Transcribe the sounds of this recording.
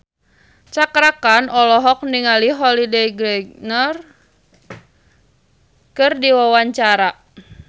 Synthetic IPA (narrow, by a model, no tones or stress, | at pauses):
t͡ʃakɾakanʔɔlɔɦɔk̚niŋaliɦɔlidɛɡɾɛɡnɔr | kɨrdiwawaɲt͡ʃaɾa